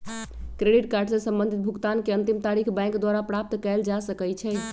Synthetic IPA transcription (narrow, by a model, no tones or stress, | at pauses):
kɾeɖiʈkaɾɖsə̃sə̃mbə̃nd̪ʱit̪̚bʱuɡt̪ankeənt̪imt̪aɾikʰbɛ̃ŋkd̪waɾapɾap̚t̪kɛld͡ʒasəkɛt͡ʃʰɛ